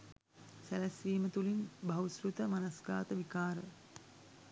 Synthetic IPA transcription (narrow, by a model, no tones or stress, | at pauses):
sælæsʋiːmət̪ulinbʱɐwsɾut̪əmanɐsɡaːt̪əʋikaːɾə̰